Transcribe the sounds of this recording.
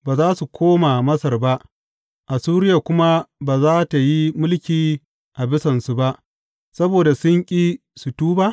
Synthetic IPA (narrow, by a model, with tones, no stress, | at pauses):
baː˨zaː˦su˨kʷoː˦ma˨mɐ˦sɐ˨rba˦ʔ | ʔa˨suː˦ɾɪ˦ja˨kʷʊ˦ma˦baː˨zaː˦ta˨ji˦mʊ˦lkʲiː˨ | ʔa˨bɪ˦sɐ˨nsu˨ba˦ʔ | sɐ˦boː˨da˨sʊ˦ŋkʲʼiː˦ | su˨tuː˦ba˦